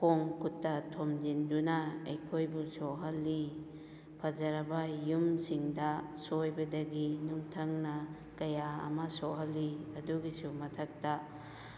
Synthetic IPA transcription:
poŋkutːɐtʰomd͡ʒindunɐejkʰojbusoɦɐlːi | pʰɐd͡ʒɐɾɐbɐjumsiŋdɐsojbɐdɐɡinuŋtʰɐŋnɐ | kɐjaɐ̰mɐsoɦɐlːiɐduɡisumɐtʰɐk̚tɐ

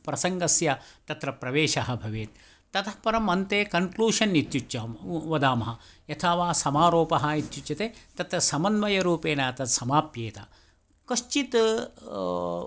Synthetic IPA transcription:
pɾɐsɐŋɡɐsjɐt̪ɐt̪ɾɐpɾɐʋeːʃɐɦɐ̆bʱɐʋeːt̪̚ | t̪ːɐt̪ʰɐhpɐɾɐmɐnt̪eːkɐŋkluːʂɐnit̪jut͡ʃːɐʋɐd̪aːmɐɦɐjɐt̪ʰaʋaːsɐmaːɾoːpɐɦɐit̪jut͡ʃjɐt̪eːt̪ɐt̪ɾɐsɐmɐnʋɐjɐɾuːpeːnaːɐt̪ɐsɐmaːpjeːt̪ɐ̰ | kɐʃt͡ʃit̪

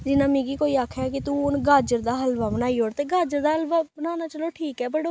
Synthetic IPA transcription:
d͡ʒɪnãːmɪ̃ɡiːkoːiːaːkʰɛːkɪt̪ũːʊnɡaːd͡ʒəɾd̪aːɦəlʋaːbənaːiːoːɽt̪eːɡaːd͡ʒəɾd̪aːɦəlʋaːbənaːnaːt͡ʃəloːʈʰiːkɛːbəɽoː

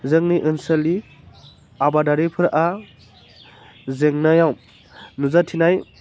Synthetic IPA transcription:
zɯŋniʔɯnsəli | abadaɾipʰɯɾʔa | zeŋnajaw | nuzatʰinaj

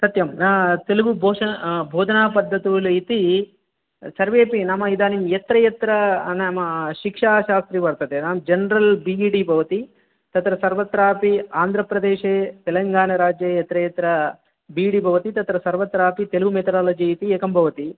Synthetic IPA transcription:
sɐt̪jɐmnaːt̪eluɡubʱɔːʂɐbʱoːd̪ʱɐnaːpɐd̪ʱːɐt̪ulit̪i | sɐɾʋeːpinɐmɐid̪aːnimjɛt̪ɾɐjɐt̪ɾɐnɐmɐʃikʂaːʃaːst̪ɾibɐɾt̪ɐd̪enaːmd͡ʒenɾɐlbiiɖiːbʱɐʋɐt̪i | t̪ɐt̪ɾɐsɐɾʋɐt̪ɾaːpiaːnd̪ʱɾɐpɾɐd̪eːʃeːt̪ɛlɐŋɡaːnɐɾaːd͡ʒjejɛt̪ɾɐjɐt̪ɾɐ | biːɽibʱɐʋɐt̪it̪ɐt̪ɾɐsɐɾʋɐt̪ɾaːpit̪eluɡumet̪ɐɾaːlɐd͡ʒiit̪ieːkɐmbʱɐʋɐt̪i

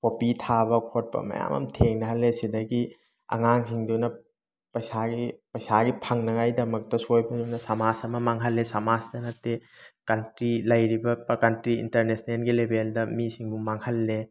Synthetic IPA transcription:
kopitʰabɐkʰot̚pɐ̰mɐ̰ja̰mɐ̰mtʰeŋnɐɦɐlːesidɐjɡi | ɐ̰ŋaŋsiŋdiwnɐ | pɐjsaɡipɐjsaɡipʰɐŋnɐŋajdɐmɐk̚tɐsojbɐdunɐsɐmasɐmɐmaŋɦɐlːesɐmasdɐnɐtːekɐntɾilɐjɾibɐpkɐntɾiḭntɐɾnesnelɡilebʱeldɐmisiŋbuŋmaŋhɐlːe

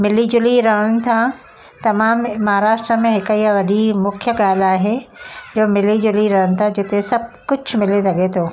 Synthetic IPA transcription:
mɪlid͡ʑʊliɾɐɦəɽ̃ɪ̆t̪ʰã | t̪ɐmaːmmɐɦaɾaːʃʈɾəmẽɦɪkiɐʋɐɗimʊkʰjəɠaːl̤aːɦed͡ʑoːmɪlid͡ʑʊliɾɐɦəɽ̃ɪ̆t̪ʰãd͡ʑɪt̪esɐb̚ʱkʊd͡ʑʱmɪlesɐɠet̪ʰoː

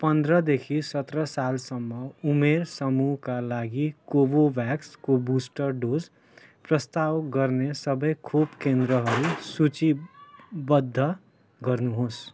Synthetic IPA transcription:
pʌnd̪rʌd̪ekʰisʌt̪rʌsalsʌmːʌumersʌmuɦkalaɡikobobjakskobusʈʌrɖod͡z | prʌst̪awɡʌrnesʌbʌjkʰobkend̪ɾʌɦʌɾusut͡si | bʌd̪ʱːʌ | ɡʌrnuɦos

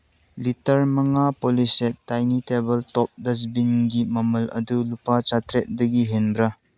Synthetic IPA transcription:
litɐɾmɐŋapolisetːajnitebɐltɔp̚dɐs̬binɡimɐmɐlɐ̰dulupat͡ʃatɾet̚dɐɡiɦenbɾɐ

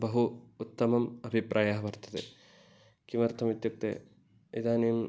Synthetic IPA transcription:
bɐɦuːt̪ːɐmɐmɐbʱipɾʔaːjaːɦɐʋɐɾt̪ʰɐ̥t̪ḛ | kimɐɾt̪ʰɐmit̪juk̚t̪ḛː | id̪aːnim

